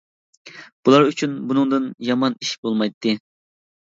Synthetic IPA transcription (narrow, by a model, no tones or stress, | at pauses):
b̥ulˠɑɾyt͡ʃʰynbunɨŋd̪ɨnjɑmɑniʃbolˠmɑjt̪ʰːɨ